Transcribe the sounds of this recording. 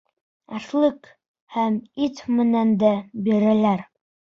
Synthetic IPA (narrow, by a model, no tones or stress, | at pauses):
æθlˠɘk | hæmit̪mɘ̆nænd̪æbiɾælæɾ